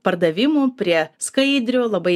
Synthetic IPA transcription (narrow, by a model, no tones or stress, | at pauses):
pɐɾd̪ɐʋʲɪmoːpʲɾʲiɛskɐɪd̪ʲɾʲoːlˠɐbɐ